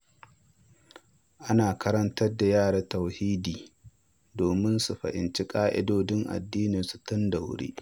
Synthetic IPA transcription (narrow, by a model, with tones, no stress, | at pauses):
ʔa˦naː˨kʰɐ˦ɾɐ˦ntɐ˦da˨jaː˦˨ɽa˦tɐ˨whiː˦diː˨ | doː˨mɪ˦nsu˨ɸɐ̰˨ʔɪ̰˨nt͡ʃi˦kʼaː˦ʔɪ̰˦doː˦dɪ˦ŋʔa̰˨dːiː˦nɪ˨su̥˨tʊ˦nda˨wɽḛː˦ʔ